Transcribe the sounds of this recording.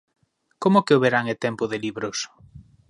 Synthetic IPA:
komʊkeoβeɾaŋet̪ɛmpʊðeliβɾos

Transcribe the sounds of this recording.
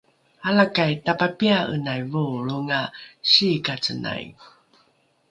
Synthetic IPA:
alakajtapapiaʔə̰najvuɭuŋaɕikat͡səna̰j

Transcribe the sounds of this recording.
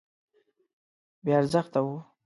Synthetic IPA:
bjeaɾzəxt̪awu

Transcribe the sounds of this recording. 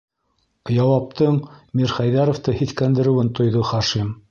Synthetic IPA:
jɑwɑp̚t̪ɤɴmiɾχæjðɑɾŏft̪ɤhiθkænd̪ɘ̆ɾɘ̆wɘnt̪ŏjðɤχɑʃim

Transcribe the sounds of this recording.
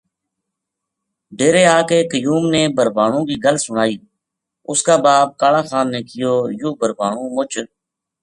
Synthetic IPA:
ɖeːɾeːaːkeːkəjuːmneːbəɾbʱaːɳõːkiːɡəlsʊnaːiː | ʊskaːbaːb̚kaːlãːxaːnːeːkɪjoːjuːbəɾbaːɳũːmʊt͡ʃ

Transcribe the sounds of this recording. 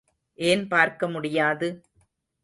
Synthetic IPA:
ʔeːnpaːɾkɐmʊɽɪjaːðɯ

